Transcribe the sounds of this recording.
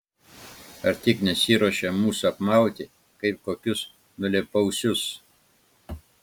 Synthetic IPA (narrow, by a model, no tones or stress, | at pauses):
ɐɾt̪ʲɪknʲɛsʲiːɾoʃʲɛmuːsʊɐpmɑˑʊt̪ʲɪ | kɐɪp̚koːkʲʊs | nʊlʲɛpɐʊsʲʊs